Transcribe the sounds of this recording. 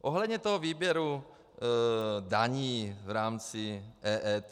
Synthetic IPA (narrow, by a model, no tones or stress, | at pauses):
ʔoɦlɛd̪ɲɛt̪oɦoviːbjɛɾu | daɲiːvɾaːmt͡sɪʔɛːʔɛːt̪